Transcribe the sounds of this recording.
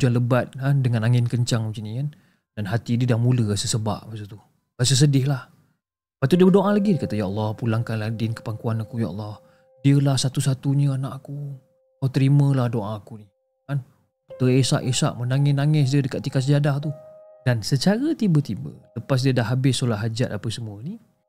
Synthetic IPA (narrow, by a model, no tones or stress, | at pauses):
ud͡ʒuanləbat̪̚handəŋanaŋɪnkəɲt͡ʃaŋt͡ʃinikan | d̥anɦat̪idiədahmuləasəsəba̰ʔmasət̪u | ɡasəs̬ədɪhlah | əpaʔt̪udiəbədoʔãlaɡidkat̪ajaɑlːɔhpulaŋkanladɪnkə̥paŋkuanakuja̰ʔɑ̰lˠːɔh | diəlahsat̪usat̪uɲəanaʔaku | kawt̪əɾimə̃lahdoʔãkuni | kan | ut̪əesa̰ʔesa̰ʔmənaŋɪsnaŋɪs̬diədəkat̪ːikat̪səd͡ʒadaht̪u | d̥ansət͡ʃaɾət̪ibət̪ibə̰ləpas̬diədahɦabɪsːolaʔɦad͡ʒat̪̚apəsəmuəni